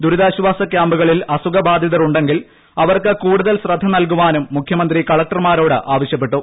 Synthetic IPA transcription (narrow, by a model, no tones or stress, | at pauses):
d̪uɾuðaːɕuʋaːsɐkjaːmbɐɣɐɭilɐsuɡɐbaːd̪ʱjiðɐɾuɳɖe̞ŋɡil | ɐʋɐrkɨkuːɽuðɐlsrɐd̪ʱːɐnɐlkuʋaːnumːukʰjɐmɐnd̪rikɐɭɐk̚ʈɐrmaːɾo̞ːɽɨʔaːʋɐɕjɐpːe̞ʈːu